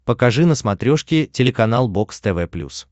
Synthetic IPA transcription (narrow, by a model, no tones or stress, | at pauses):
pəkɐʐɨnəsmɐt̪ɾʲoʂkʲɪtʲɪlʲɪkɐnalˠbo̞kst̪ɛvɛplʲṵs